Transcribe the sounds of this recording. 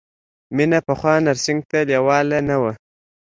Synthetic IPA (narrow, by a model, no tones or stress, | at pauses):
minapaχwɑːnaɾsɪŋɡ̚t̪aljawɑːlanawa